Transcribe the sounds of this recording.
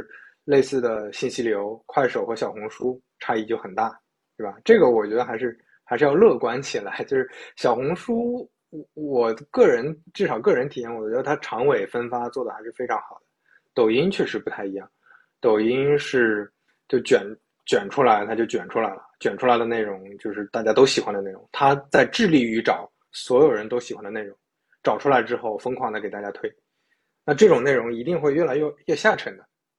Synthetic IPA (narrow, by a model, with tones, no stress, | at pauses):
le˥˧ɪsɹ̩˥˩d̪ə˩ɕi˥˩nɕi˥ljo˧˥ʊkʰwa˥˩ɪʂo˨˩ʊxɤ˧˥ɕjɑ˨˩ʊxʊ˧˥ŋʂu˥ | ʈ͡ʂʰa˥i˥˧t͡ɕjo˥˩ʊxə˨˩nt̪a˥˩ | ʂwe˥˩bɐ˩ʈ͡ʂɤ˥˩ɡə˩wɔ˨˩t͡ɕɥɛ˧˥d̪ə˧xa˧˥ɪʂɻ̩˥˩ | xa˧ɪʂɻ̩˥˧jɑ˥˧ʊlɤ˥˩kwa˧˥nt͡ɕʰi˨˩la˧˥ɪt͡ɕjo˥˧ʊʂɻ̩˥˩ɕjɑ˨˩ʊxʊ˧˥ŋʂu˥ | wɔ˨˩kɤ˥˩ɻə˧˥nʈ͡ʂɻ̩˥˩ʂɑ˨˩ʊkɤ˥˩ɻə˧˥nt̪ʰi˨˩jɛ˥˩wɔ˨˩t͡ɕɥɛ˧˥d̪ə˧t̪ʰa˥ʈ͡ʂʰɑ˧˥ŋwe˨˩ɪfə˥nfa˥t͡swɔ˥˩d̪ə˩xa˧˥ɪʂɻ̩˥˩fe˥ɪʈ͡ʂʰɑ˧˥ŋxɑ˨˩ʊd̪̥ə˦ | t̪o˨˩ʊi˥ŋt͡ɕʰɥɛ˥˩ʂɻ̩˧˥pu˧˥t̪ʰa˥˩ɪi˧˥jɑ˥˩ŋ | t̪o˨˩ʊi˥ŋʂɻ̩˥˩ | t͡ɕjo˥˩ʊt͡ɕɥɛ˨˩n | t͡ɕɥɛ˨˩nʈ͡ʂʰu˥la˧˥ɪt̪ʰa˥t͡ɕjo˥˩ʊt͡ɕɥɛ˨˩nʈ͡ʂʰu˥la˧˥ɪlə˧t͡ɕɥɛ˨˩nʈ͡ʂʰu˥la˧ɪd̪ə˧ne˥˩ɪɻʊ˧˥ŋt͡ɕjo˥˧ʊʂɻ̩˥˧t̪a˥˩t͡ɕja˥t̪o˥ʊɕi˨˩xwa˥nd̪ə˧ne˥˩ʊ̰˧˥ŋt̪ʰa˥t͡sa˥˧ɪʈ͡ʂɻ̩˥˧li˥˩y˧˥ʈ͡ʂɑ˨˩˦ʊ | swɔ˧˥jo˨˩ʊɻə˧˥nt̪o˥ʊɕi˨˩xwa˧˥nd̪ə˧ne˥˩ɪʊ˧˥ŋ | ʈ͡ʂɑ˨˩ʊʈ͡ʂʰu˥la˧˥ɪʈ͡ʂɻ̩˥xo˥˩ʊfɤ˥ŋkʰwɑ˥˩ŋd̪ə˩kt̪a˥˩t͡ɕja˥t̪ʰwe˥ɪ | na˥˧ʈ͡ʂɤ˥˩ʈ͡ʂʊ˨˩ŋne˥˩ɪɻʊ˧˥ŋi˧˥t̪i˥˧ŋxwe˥˧ɪɥɛ˥˩la˧˥ɪɥɛ˥˧ɥɛ˥˧ɕja˥˩ʈ͡ʂʰə˧˥ŋd̪ə˧